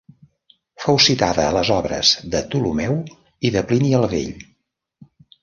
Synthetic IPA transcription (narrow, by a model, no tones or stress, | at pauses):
fɔwsit̪aðəːləzɔβɾə̰zðət̪ulumɛw | iðəpliniəlˠβḛʎ